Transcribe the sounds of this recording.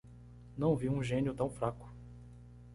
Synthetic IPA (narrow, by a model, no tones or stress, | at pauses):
nɐ̃w̃viũʒẽnjʊt̪ɐ̃w̃fɾakʊ̥